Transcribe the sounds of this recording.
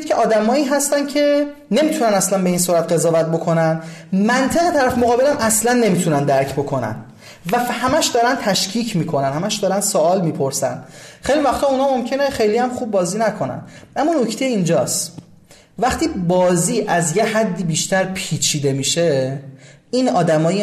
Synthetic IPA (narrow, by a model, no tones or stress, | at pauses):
cʰeʔɒːd̪æmɒːiːɦæst̪æn̥cʰe̞ | ne̞miːt̪ʰunænæslænbe̞iːnsuːɾæt̪ɢe̞zɒːvæt̪̚bo̞kʰo̞nænmænt̪ʰe̞ɣet̪ʰæɾæfmoɣɒːbe̞læmæslænːe̞miːt̪ʰunænd̪æɾcʰbo̞kʰo̞næ̰n | væfhæmæʃd̪ɒːɾænt̪ʰæʃcʰiːcʰmiːkʰo̞nænhæmæʃd̪ɒːɾænd̪soɒːlmiːpʰo̞ɾsæ̰nxejlivæχt̪ʰɒːunɒːmo̞mcʰe̞neχe̞jliæmχub̚ːɒːziːnækʰo̞næ̰nʔæmːɒːno̞cʰt̪ejeind͡ʒɒːs | væχt̪ʰiːbɒːziːʔæzjeɦæd̪ːiːbiːʃt̪ʰæɾpʰiːt͡ʃʰiːd̪e̞miʃe̞ | inɒːd̪æmɒːj